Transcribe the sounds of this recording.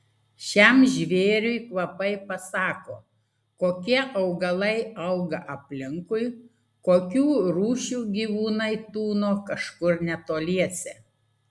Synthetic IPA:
ʃʲɛmʒʲʋʲeːɾʲʊɪkʋɐpɐɪpɐsɑːko̰ː | koːkʲiɛʔɐʊɡɐlˠɐɪɐʊɡɐʔɐpʲlʲɪŋkʊɪ | koːkʲuːɾuːʃʲuːɡʲiːʋuːnɐɪt̪uːnoːkɐʃkʊɾnʲɛt̪oːlʲiɛsʲɛ

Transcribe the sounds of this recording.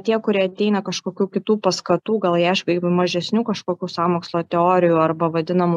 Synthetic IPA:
t̪ʲiɛkʊɾʲiɛɐt̪ʲɛɪnɐkɐʃkoːkʲuːkʲɪt̪uːpɐskɐt̪uːɡɐlˠjɛʃʋʲɐɪmɐʒʲɛsʲnʲuːkɐʃkoːkʲuːsɑːmoːkslˠoːt̪ʲɛoːɾʲɪjuːɐrbɐʋɐd̪ʲɪnɐmʊ

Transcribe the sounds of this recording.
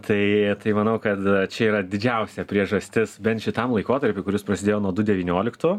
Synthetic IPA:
t̪ʰɐɪt̪ɐɪmɐnɐʊkɐt̪t͡ʃʲɛiːɾɐdʲɪd͡ʒʲɛʊsʲɛpʲɾʲiɛʒɐsʲt̪ʲɪsbʲɛnt̪ʃʲɪt̪ɐmlˠɐɪkoːt̪ɐɾʲpʲɪkʊɾʲɪspɾɐsʲɪd̪ʲeːjoːnuɔd̪ʊdʲɛʋʲiːnʲoːlʲɪkt̪ʊː

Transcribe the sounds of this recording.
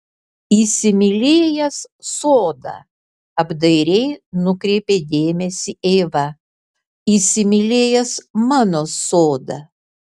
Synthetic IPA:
iːsʲɪmʲɪlʲeːjɛssoːd̪ɐ̰ | ɐbd̪ɐɪɾʲɛɪnʊkɾʲɛɪpʲeːd̪ʲeːmʲɛsʲieːʋɐ | isʲɪmʲɪlʲeːjɛsmɑːnoːsoːd̪ɐ

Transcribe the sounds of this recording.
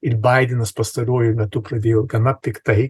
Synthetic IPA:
ɪɾbɐɪd̪ʲɛnɐspɐst̪ɐɾuɔjʊmʲɛt̪ʊpɾɐd̪ʲeːjoːɡɐnɐtʲɪkt̪ɐɪ

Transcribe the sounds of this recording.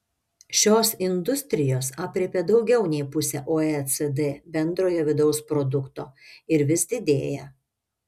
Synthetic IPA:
ʃʲoːsɪnd̪ʊsʲt̪ʲɾʲɪjoːsɑːpʲɾʲɛpʲed̪ɒʊɡʲɛʊnʲɛɪpʊsʲɛːʔoːɛsɛd̪ebʲɛnd̪ɾoːjoːʋʲɪd̪ɒʊspɾɔd̪ʊkt̪o̰ːɪɾʋʲɪsd̪ʲɪd̪ʲeːjɛ

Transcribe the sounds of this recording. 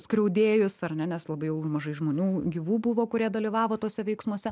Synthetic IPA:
skɾʲɛʊd̪ʲeːjʊsɐrnʲɛnʲɛslˠɐbɐɪjɛʊmɐʒɐɪʒmoːnʲuːɡʲiʋuːbʊʋoːkʊɾʲiɛd̪ɐlʲiʋɑːʋoːt̪oːsʲɛʋʲɛɪksmuɔsʲɛ

